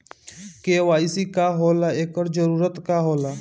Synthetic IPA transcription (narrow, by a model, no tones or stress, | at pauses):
keːʋaːɪsikaɦoːlaeːkəɾd͡ʒəɾuːɾət̪kaɦoːla